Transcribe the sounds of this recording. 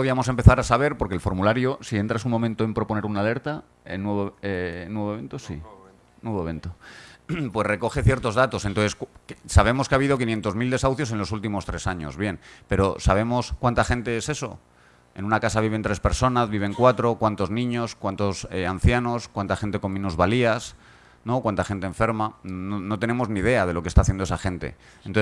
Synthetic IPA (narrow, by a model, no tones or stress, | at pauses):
oðiamo̞sempe̞θaɾasaβ̞e̞ɾpo̞ɾkelfo̞ɾmulaɾjosie̞nt̪ɾasunmomẽnt̪o̞e̞mpɾo̞po̞ne̞ɾunale̞ɾt̪a | ḛnweβoenːweβoent̪osi | nweβoeβe̞nt̪o | pwe̞zre̞ko̞xe̞θje̞ɾt̪o̞zðat̪o̞sent̪onθskksaβ̞e̞mo̞skeaβiðo̞kinje̞nt̪o̞zmild̪e̞sawθjos̬e̞nlo̞sult̪imo̞st̪ɾe̞saɲo̞̰zβje̞npe̞ɾo̞saβ̞e̞mo̞skwant̪axẽ̞nt̪e̞ese̞so̞̰ | e̞̰nũnakasaβ̞iβ̞e̞nt̪ɾespe̞ɾso̞nazβiβ̞e̞ŋkwat̪ɾo̞kwant̪o̞znĩɲo̞skwant̪osean̟θjano̞skwant̪axe̞nt̪e̞ko̞mĩnuzβalias | no̞kwant̪axe̞nt̪eːɱfe̞ɾmannono̞t̪e̞nẽ̞mo̞znið̞e̞að̞e̞lo̞kest̪aːθjend̪oesaxe̞nt̪e̞̰ | ent̪o